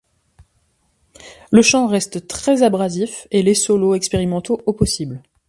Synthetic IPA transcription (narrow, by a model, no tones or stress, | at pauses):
ləʃɑ̃ʁɛst̪t̪χɛzabʁazifelesɔloɛkspeʁimɑ̃t̪oʔopɔsibl